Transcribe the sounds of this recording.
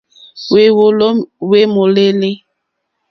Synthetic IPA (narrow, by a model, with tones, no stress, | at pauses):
we˨wo˨lo˦we˦mo˨le˦li˦